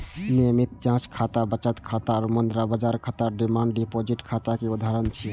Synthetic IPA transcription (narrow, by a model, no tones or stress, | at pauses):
nijəmit̪̚t͡ʃãt͡ʃkʰat̪abət͡ʃət̪kʰat̪aɾmənd̪ɾabəd͡ʒaɾkʰat̪aɾɖimaɳɖɖipod͡ʒiʈkʰat̪akeud̪ʱaɾənt͡ʃʰi